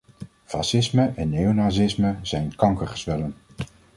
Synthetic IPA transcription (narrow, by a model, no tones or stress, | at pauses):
fɑsɪsməʔɛnːejonaːzɪsməzɛjnkɑŋkərχəsʋɛlən